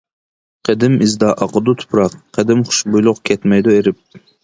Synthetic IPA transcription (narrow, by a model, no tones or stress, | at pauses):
qʰəd̪ɪmizd̪ɑʔɑqəd̪ut̪ʰʊ̥pʰɾɑqʰːəd̪ɪmχʊ̥ʃbujlˠʊqkʲʰɛt̪mɛjd̪ueɾɪp̚